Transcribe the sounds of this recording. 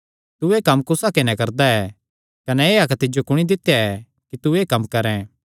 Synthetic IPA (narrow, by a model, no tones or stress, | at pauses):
t̪uekɐmːkʊsakɪnɛ̃kɐɾd̪aɛː | kɐnɛeːɐkt̪ɪd͡ʒokʊɽ̃id̪ɪt̪ːjaɛ | kit̪uekɐmːkɐɾɛ̃ː